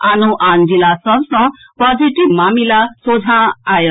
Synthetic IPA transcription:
anoʔand͡ʒilasʌbsʌ̃ | pɔd͡ziʈiʋmamilasod͡zʱãajə

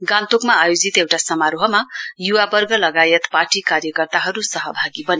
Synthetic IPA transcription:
ɡãnt̪okmaːjod͡zit̪ewʈasʌmaɾoɦʌmajuwabʌrɡʌlʌɡajet̪paʈikarjʌkʌrt̪aɦʌɾusʌɦʌbʱaɡibʌni

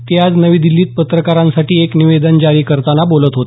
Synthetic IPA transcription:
t̪jad͡znəʋiːd̪ilːiːt̪̚pət̪ɾəkaɾãnsaʈiːekniʋed̪ənd͡ʑaɾiːkəɾt̪anabolət̪ɦot̪e̥

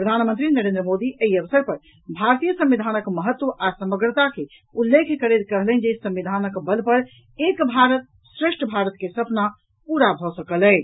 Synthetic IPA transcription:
pɾəd̪ʱanmənt̪ɾinəɾẽnd̪ɾəmod̪iʔeiəʋsəɾpəɾ | bʱaɾt̪ijəsə̃mʋid̪ʱanəkməɦət̪ːwəʔasəməɡɾət̪ake | ulːekʰkəɾet̪kəɦlɛnd͡ʒesə̃mʋid̪ʱanəkbəlpəɾ | ekbʱaɾət̪̚ | sɾeʂʈʰəbʱaɾət̪kesəpna | puɾabʱɔsəkəlɛ

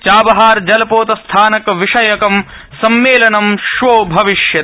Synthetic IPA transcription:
t͡ʃaːbɐɦaːɾd͡ʒɐlɐpoːt̪ɐst̪ʰaːnɐkʋiʂɐjɐkɐm | sɐmːeːlɐnɐmʃʋoːbʱɐʋiʃjɐ

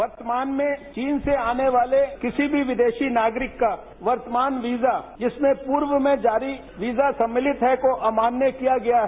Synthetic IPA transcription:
ʋɐɾt̪əmaːnmẽt͡ʃiːnseaːneʋaːlekɪsibʱiʋɪd̪eːʃinaːɡɾɪkːa | ʋɐɾt̪əmaːnʋiːzad͡ʒɪsmẽpuːɾʋəmẽd͡ʒaːɾi | ʋiːzasɐ̃mːɪlɪt̪ɦɛkoʔɐmaːnːjəkijaɡɐjaɦɛ

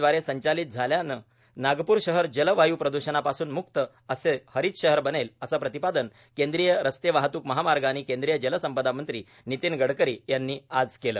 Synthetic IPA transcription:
ʋaɾesəɲt͡ɕaliːt̪̚d͡zʱaljanə | naɡpuːɾɕəɦəɾd͡ʑələʋajuːpɾəd̪uɕənapasuːnmuk̚t̪ə | əsehəɾiːt̪ɕəɦəɾbəneləsapɾət̪ipad̪ən | kẽnd̪ɾijəɾəst̪eʋaɦt̪uːkməɦamaɾɡañikẽnd̪ɾijəd͡ʑələsəmpəd̪amənt̪ɾiː | nit̪iːnɡəɽkəɾiːjanːiːad͡zkelə̰ː

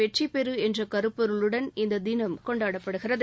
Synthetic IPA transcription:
ɛʈt͡ʃipːɛɾɯɛndrɐkɐɾɯpːɐɾɯɭɯɽɐnɪnd̪ɐd̪ɪnɐmkɔɳɖaːɽɐpːɐɽɯɣɪrɐð

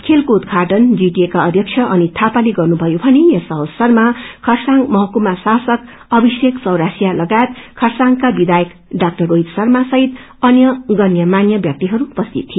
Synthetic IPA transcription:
kʰelkoud̪ɡʱaʈʌnd͡ziʈiekaʌd̪ʱjʌkt͡sʰʌʔʌnit̪ʰapaleɡʌrnubʱʌjobʱʌnejesʌwsʌrmakʰʌrsaŋɡmʌɦʌkumasasʌk | ʌbiseksʌwɾasijalʌɡajet̪kʰʌrsaŋkabid̪ajʌk | ɖak̚ʈʌroɦid̪sʌrmasʌɦit̪ | ʌnjʌɡʌnjʌmanjʌbjʌk̚t̪iɦʌɾuːpʌst̪it̪ʰːi

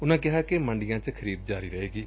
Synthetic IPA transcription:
ʊnãːkɪɦaːkemə̃ɳɖɪjãːt͡ʃkʰəɾiːb̪̚d͡ʒaːɾiːɾəɦeːɡiː

